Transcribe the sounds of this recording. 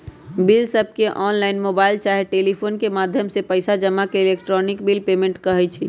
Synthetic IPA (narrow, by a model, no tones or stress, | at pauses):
bilsəb̚ʱkeʔɔːnlaːɪnmoːbaːɪlt͡ʃaːɦeʈeːlipʰoːnkemaːd̪ʱjəmsepəɪsad͡ʒəmːakeɪlekʈɾɔnɪkbilpemẽɳʈkəɦɛt͡ʃʰi